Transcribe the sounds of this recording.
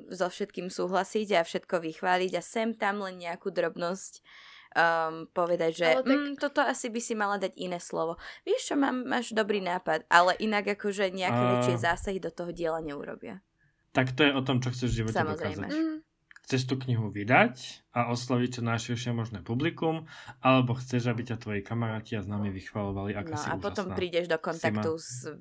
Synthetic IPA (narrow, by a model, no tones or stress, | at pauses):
zɔfʃɛt̪̚kiːmsuːɦlasiɟafʃɛt̪kɔʋixʋaːʎiɟasɛmt̪amlɛnɲɛakuːd̪ɾɔbnɔscː | pɔʋɛd̪aɟʒɛmːt̪ɔt̪ɔasibisimalad̪aɟinɛːslɔʋɔʋɪɛʃt͡ʃɔmaːmːaːʒd̪ɔbɾiːnaːpad̪ʔalɛʔinaɡakɔʒɛɲɛakɛɛt͡ʃɪɛzaːsaɦid̪ɔt̪ɔɦɔɟɪɛlaɲɛṵɾɔ̰bɪa̰ | t̪akt̪ɔjɛɔt̪ɔmt͡ʃɔxt͡sɛʒvʒiʋɔcsɛamɔzɾɛjzɛ̰ | xt͡sɛʃ̬t̪uːkɲiɦuʋid̪acaɔslaʋic̚t͡ʃɔnajʃiɾʃɪɛmɔʒnɛpublikumalɛbɔxt͡sɛʒabicat̪ʋɔjikamaɾaːciaznaːmiʋixʋalɔʋaliaknɔsa̰upɔt̪ɔmpɾiːɟɛʒd̪ɔkɔnt̪akt̪uz